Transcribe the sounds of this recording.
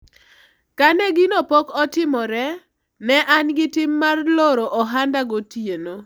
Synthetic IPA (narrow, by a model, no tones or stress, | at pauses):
kanɛɡinopɔkɔtɪmɔɾɛ | nɛʔanɡɪtɪmːarloɾoʔɔɦandaɡotjeno